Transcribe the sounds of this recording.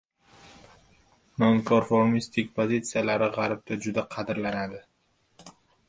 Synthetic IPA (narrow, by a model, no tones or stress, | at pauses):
noŋkʰoɾfoɾmist̪ʰɪkʲpʰozit̪sɨijalaɾɪʁɑɾɪb̚t̪ʰad͡ʒʊd̪aqʰɑd̪ɪɾlanad̪ɪ